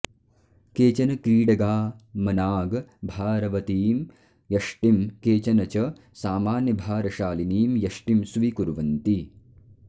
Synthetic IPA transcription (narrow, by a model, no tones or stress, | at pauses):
keːt͡ʃɐnɐkɾiːɽɐɡaːmɐnaːɡbʱaːɾɐʋɐt̪iːm | jɐʂʈimkeːt͡ʃɐnɐt͡ʃɐ | saːmaːnjɐbʱaːɾɐʃaːliniːmjɐʂʈimsʋikuɾʋɐnt̪i